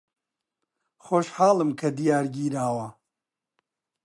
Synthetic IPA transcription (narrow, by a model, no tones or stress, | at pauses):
xoːʃħaːlˠɨmkʰɐd̪ijaːɾɡiːɾaːwɐ